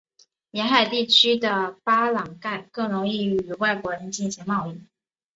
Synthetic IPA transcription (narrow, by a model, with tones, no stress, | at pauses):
mjɛ˧˥nxa˨˩ɪt̪i˥˩t͡ɕʰy˥d̪ə˨pa˥lɑ˨˩ŋka˥˩ɪkɤ˥˩ŋɻʊ˧˥ŋi˥˩y˨˩wa˥˩ɪkwɔ˧˥ɻə˧˥nt͡ɕi˥˩nɕi˧˥ŋmɑ˥˧ʊi˥˩